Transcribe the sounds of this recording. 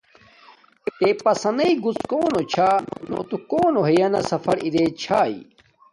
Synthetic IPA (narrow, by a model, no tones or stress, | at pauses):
et̪epɐsɐnɐiɡuskoːnot͡ɕʰano̰t̪ukoːnoɦejɐnɐ̰sɐfɐɽid̪et͡ɕʰaːḭ